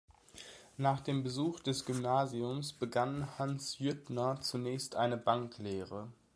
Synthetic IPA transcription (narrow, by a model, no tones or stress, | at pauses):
naːχd̥eːmbəzuːχd̥ɛsɡ̥ymnaːziʊmsb̥əɡanhansjʏtnɐt͡sunɛːçstʔaɪnəbaŋkleːʁə